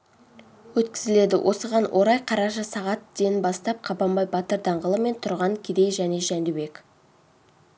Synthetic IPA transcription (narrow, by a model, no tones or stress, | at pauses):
wɵt̪kʲɪ̥zɪle̞d̪ɪ̰wʔo̞səʁɑnwʔo̞ɾɑjqʰɑɾɑʃəsɑʁɑt̪d̪̥e̞nbɑst̪ɑp̚qʰɑbɑmbɑjbɑt̪əɾd̪ɑɴʁəlˠəme̞nt̪ʰʊɾʁɑŋkʲʰed̪e̞jʒæne̞ʒænd̪ube̞k